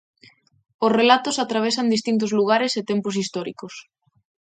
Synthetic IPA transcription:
osrelat̪osat̪ɾaβ̞esand̪ist̪int̪̬ozluɣaɾeset̪empos̬ist̪ɔɾikos

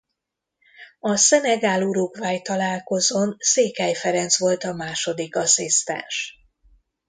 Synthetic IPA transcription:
ɒsɛnɛɡaːluɾuɡvaːjt̪ɒlaːlko̞zonseːkɛjfɛɾɛnt̪sʋo̞lt̪ɒmaːʃo̞d̪ikɒsist̪ɛ̰nʃ

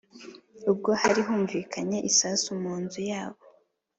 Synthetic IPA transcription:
ub̚ɡo̞haɾiɦuːɱviːkʰaɲe̞ʔisasumuːnzujaːβo̞

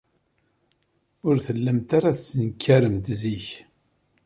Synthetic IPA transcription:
ʊɾθəlːəmt̪aɾaθt͡sːənəkʰːæɾəmt̪ziç

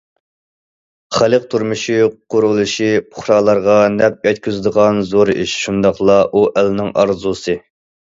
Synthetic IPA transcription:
χælˠəq̚t̪ʰuɾmuʃiqʰʊɾulˠuʃipʰʊ̥χɾɑːlˠɑɾʁɑnɛp̚jɛt̪kʲʰyzɪd̪əʁɑnzoɾḭʃʃund̪ɑχlˠɑʔuʔɛlnɪŋɑ̰ɾzusɨ

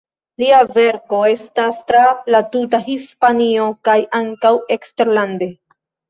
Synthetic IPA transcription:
liave̞ɾko̞e̞stastɾalatutaɦispanio̞kajʔaŋkawe̞kste̞ɾlande̞

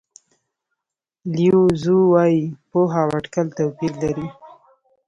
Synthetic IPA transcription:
ljuzuwɑjipoɦawaʈkalt̪awpilːaɾi

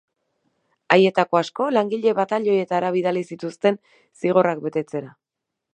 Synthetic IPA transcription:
aje̞t̪ako̞asko̞laŋɡiʎe̞βat̪aʎo̞je̞t̪aɾaβ̞iðalisit̪ust̪e̞n | siɣ̞o̞rak̚be̞t̪e̞t͡se̞ɾa

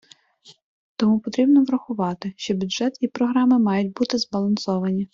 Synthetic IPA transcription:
t̪ɔmupɔt̪ɾʲibnɔʋɾɐxʊʋɑt̪ɪʃt͡ʃɔbʲʊdʒɛt̪ipɾɔɦɾɑmɪmɑjʊtʲbut̪ɪzbɐlˠɐnsɔʋɐnʲi

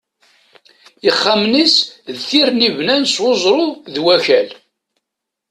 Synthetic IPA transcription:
iχːamnisðθiɾnivnænswozˤɾˤʊðwæçæl

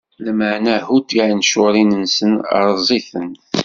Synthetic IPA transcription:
læməʕnæhut̪iʕnʃʊɾˤinənsənə̰ɾˤzˤiθən

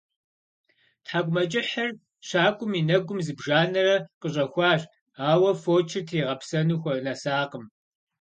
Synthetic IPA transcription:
tħaːɡʷʼʊmɐt͡ʃʼɪħɐr | ɕaːkʷʼʊminɐɡʷʊmzɨbʒaːnɐrɐqəɕʼɐxʷɑːɕ | aːwɐfoːt͡ʃʰɪtʰeːʁɐpsɐnuxʷɔrnɐsaːqəm

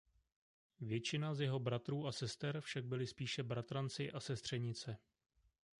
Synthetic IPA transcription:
vjɛt͡ʃɪnazjɛɦo̞bɾat̪ɾuːʔasɛst̪ɛɾfʃaɡ̚bɪlɪspiːʃɛbɾat̪ɾant͡sɪʔasɛst̪r̝̥ɛɲɪt͡sɛ

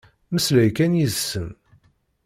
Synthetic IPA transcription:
məslæjkænjiðsəm

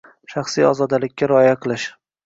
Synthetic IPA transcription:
ʃɑχsijɒzɒd̪alɪkʲːaɾɒjaqʰɨlˠɪʃ

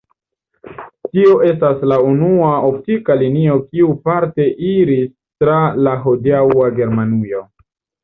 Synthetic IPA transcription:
tio̞ʔe̞s̬taslaunuao̞p̚tikalinio̞kiupaɾte̞ʔiɾis | tɾalaɦodiawaɡe̞ɾmanijo̞

